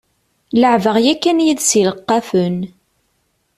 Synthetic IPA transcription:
ləʕvəʁjækːænjiðsiləqːɑfən

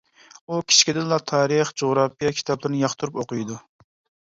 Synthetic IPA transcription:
ukʲʰi̥t͡ʃkʲid̪ɪnlˠɑt̪ʰɑːɾɨχd͡ʒoʁɾɑpijɑkʲʰi̥t̪ʰɑblˠɨɾnɨjɑχt̪uɾupoqɨjd̪u

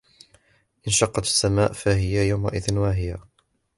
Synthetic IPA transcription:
ʔɪnʃɑqːɑt̪ḁsːamaːʔfaɦɪjajawmaʔɪðnwaɦɪja

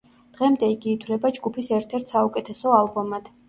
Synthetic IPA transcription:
d̪̥ʁɛmd̪ɛiɡiːt̪ʰwlɛbad͡ʒɡupʰisɛɾt̪ʰɛɾt̪ʰsaukʼɛt̪ʰɛsɔalˠbɔmad̪̥

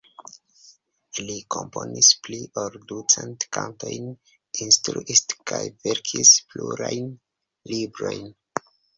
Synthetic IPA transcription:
likomponispliʔoldut͡sentkanto̞jn | instɾuʔiskajveɾkʰispluɾajn | libɾo̞jn

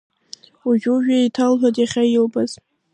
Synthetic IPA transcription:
uʒᶣuʒᶣaitʰalħʷatʼjaχʲajɪlbʼaz̥

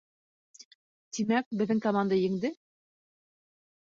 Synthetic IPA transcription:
t̪imæk̚bɘ̆ðːɘŋkɐmand̪ajɘ̆ŋd̪ɘ

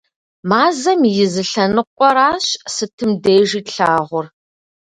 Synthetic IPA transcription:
maːzɐmjɪzɨɬɐnɨqʷʼɔɾaːɕsɨtʰɨmdeːʒiːtɬaːʁʷʊr

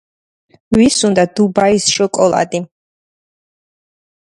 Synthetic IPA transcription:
wisund̪ad̪̥ubaisʃɔkʼɔlˠa̰d̪i

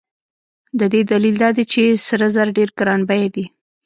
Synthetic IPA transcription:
d̪əd̪ed̪alild̪ɑd̪et͡ʃesəɾəzaɾɖeɾkɾɑnbajad̪i

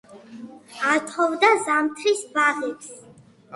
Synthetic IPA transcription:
at̪ʰχɔvd̪azamt̪ʰɾisbaʁɛps

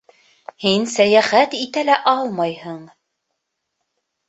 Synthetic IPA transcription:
hinsæjæχæt̪it̪ælæʔɑlˠmɑjhɤɴ

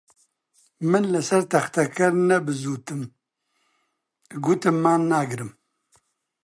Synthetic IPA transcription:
mənlɐsɐɾt̪ɐxt̪ɐkɐɾnɐbɨzut̪ɨm | ɡut̪ɨmːanːaɡɾɨm

